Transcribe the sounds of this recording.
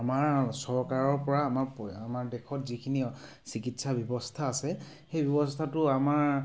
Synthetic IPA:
amaɹsɔɹkaɹɔɹpɔɹaːmaɹpamaɹdɛkʰɔtzikʰini | sikitsabjɔbɔstʰaːsɛ | xejbjɔbɔstʰatʊamaɹ

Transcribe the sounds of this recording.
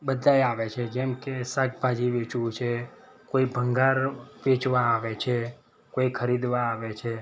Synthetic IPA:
bəd̪ʱajaʋet͡ʃʰed͡ʒɛmkesək̚bʱad͡ʒiʋet͡ʃʋũt͡ʃʰe | koibʱəŋɡaɾʋet͡ʃʋaːʋet͡ʃʰe | koikʰəɾid̪ʋaːʋet͡ʃʰe

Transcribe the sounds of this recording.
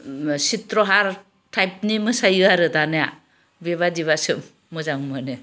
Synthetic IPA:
sitɾɔɦaɾ | tʰajp̚nimɯsajɯaɾɯtanaja | beβadiβasɯmː | ɯzaŋmɯnɯ

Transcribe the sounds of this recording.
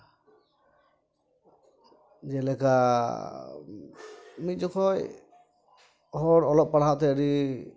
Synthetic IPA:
d͡ʒɛlɛka | mit̪̚d͡ʒɔkʰɔj | hɔɾɔlɔp̚pːaɽat̪ɛəɾi

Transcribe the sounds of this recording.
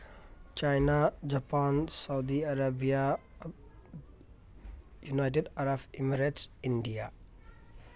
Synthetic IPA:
t͡ʃajnad͡ʒapansawd̪iaɾabija | junajʈ̬eɖaɾabimiɾeʈsiɳɖija

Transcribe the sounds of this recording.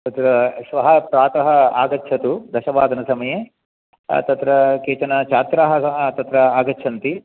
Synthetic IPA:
t̪ɐt̪ɾɐsʋɐɦɐpɾaːt̪ɐɦɐa̰ːɡɐtːt͡ʃʰɐt̪ud̪ɐʃɐʋaːd̪ʱɐnɐsɐmɐjḛː | t̪ɐt̪ɾɐkeːt͡ʃɐnɐt͡ʃʰaːt̪ɾaɦɐɐt̪ɐt̪ɾɐaːɡɐtːʃʰɐnt̪i

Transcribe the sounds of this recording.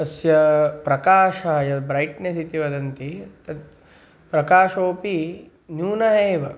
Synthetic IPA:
ɐsjɐpɾɐkaːʃɐɦɐjɐd̪bɾɐjʈnesit̪iʋɐd̪ɐnt̪it̪ɐd̪ | pɾɐkaːʃoːpi | njuːnɐɦɐːʋɐ

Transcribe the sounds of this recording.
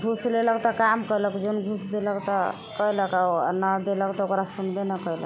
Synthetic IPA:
ɡʱusleləkt̪ɔkamkələkd͡ʒonɡʱusd̪eləkt̪ɔ | kəeləka̰nəd̪eləkt̪ɔokɾasunbenəkəjlək

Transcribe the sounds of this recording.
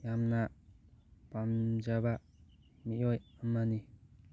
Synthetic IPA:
jamna | pamd͡ʒaba | miɔjamːani

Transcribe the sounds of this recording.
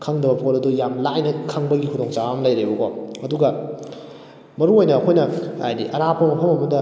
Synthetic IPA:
kʰɐŋdɐbɐpʰoɾɐdujamlajnɐkʰɐŋbɐɡikʰudoŋt͡ʃawamlɐjɾebɐkɔɐduɡɐ | mɐɾuojnɐːkʰojnɐa̰jdḭʔɐɾapʰɐmɐpʰɐmɐmɐdɐ

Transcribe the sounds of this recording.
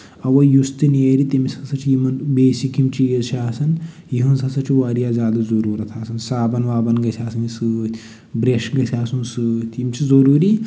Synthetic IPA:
ɐʋɐjust̪ɨnieɾit̪imisɐsɐt͡ʃʰijimɐnbeːsikimt͡ʃijzt͡ʃʰiaːsɐn | jiɦunsɐsɐt͡ʃʰiʋaɾijaːzʲjaːd̪ɐzɐɾuːɾɐt̪ʰaːsɐnsaːbɐnʋaːbɐnɡɐsʰaːsɐnisɨːt̪ʰʲ | bɾeʃɡɐsʰʲaːsũnsɨt̪ʲimʲt͡ʃʰizɐɾuːɾiː

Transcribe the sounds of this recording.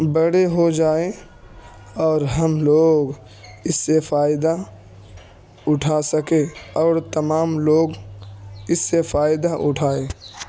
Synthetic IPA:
bəɽeɦod͡ʒaːe | ɔːɾɦɐmloːɡ | ɪsːefaːɪd̪a | ʊʈʰasəkeɔːɾt̪ɐmaːmloːɡ | ɪsːefaːɪd̪aʔʊ̰ʈʰaːẽː

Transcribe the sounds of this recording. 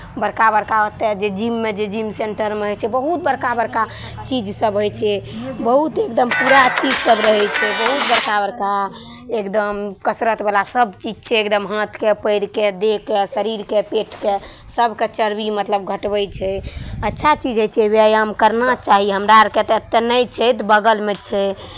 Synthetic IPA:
bəɾkabəɾkaət̪ɛd͡ʒed͡ʒimːed͡ʒed͡ʒimseɳʈəɾmeɦəjt͡ʃʰɛbəɦut̪̚bəɾkabəɾka | t͡ʃid͡ʒsəbɦojt͡ʃʰɛbəɦut̪ekd̪əmpuɾat͡ʃid͡ʒsəbɾəɦɛjt͡ʃʰɛbəɦut̪̚bəɾkabəɾka | ekd̪əmkəsɾət̪belasəbt͡ʃid͡ʒt͡ʃʰɛekd̪əmɦãt̪ʰkepəɪɾked̪ekesəɾiɾkepeʈʰke | səbʱket͡ʃəɾbimət̪ləbɡʱəʈbəjt͡ʃʰɛətːʃʰat͡ʃid͡ʒɦəjt͡ʃʰɛβeajamkəɾnat͡ʃaɦiɦəmɾaɾket̪et̪ːenəjt͡ʃʰɛt̪bəɡəlmet͡ʃʰɛ

